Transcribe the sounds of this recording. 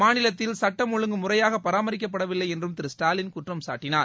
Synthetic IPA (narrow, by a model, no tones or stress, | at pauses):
maːnɪlɐt̪ːɪlsɐʈːɐmʊɻɯŋɡɯmʊrɐjaːɣɐpːɐɾaːmɐɾɪk̬ːɐpːɐɽɐʋɪlːɐɪɛndrɯmt̪ɪɾɪsʈaːlɪnkʊʈrɐmsaːʈːɪnaːɾ